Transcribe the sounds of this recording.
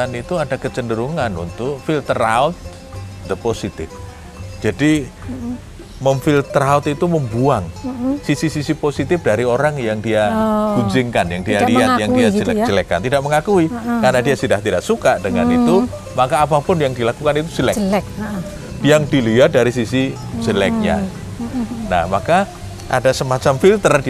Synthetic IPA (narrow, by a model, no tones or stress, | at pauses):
anit̪uadakət͡ʃəndəɾuŋanṵnt̪ʊkfɪlt̪əɾaʊt̪̚ | d̪əposit̪ɪ̰f | d͡ʒadi | məmfilt̪ɾaut̪it̪uməmbuaŋsisisisiposit̪ɪfdaɾioɾaŋjaŋdiaɡ̥uɲd͡ʒɪŋkanjaŋdialiat̪jaŋdiad͡ʒəlɛkd͡ʒəlɛkːa̰nt̪idaʔ̚məŋakuikarnadiasidaht̪idaʔsukadəŋanit̪u | makaːpapʊnjaŋdilakukanit̪u̥silɛk | jaŋdiliat̪̚daɾis̬isi | səlɛk̚ɲa̰ | na̰hmaka | ʔa̰dasəmat͡ʃamfilt̪ərd